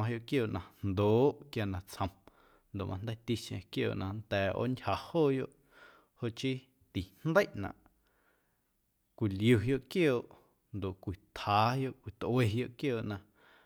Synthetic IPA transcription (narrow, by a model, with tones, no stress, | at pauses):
ã˧ɦjo˧˨ʔkjoː˧˨ʔnã˧nd̪oː˨˦ʔkja˧nã˧t͡shə̃˨m | nd̪o˨ʔmʔã˧nd̪ə˦jt̪i˦ʃẽ˧kjo̰ː˧˨ʔnã˧nt̪ɛː˨o̰˦ʔnʲha˨hoː˦˨jo˦ʔ | ho˦ʔt͡ʃi˦ | t̪i˨n̥nd̪ə˦jʔnã̰˨ʔ | kʷi˨lju˧ɦjo˦ʔkjoː˦˨ʔ | nd̪o˨ʔkʷi˨t̪haː˨˦hjo˦ʔkʷi˨t̪ʔwe˧˨ɦjo˧ʔkjoː˦˨ʔnã˧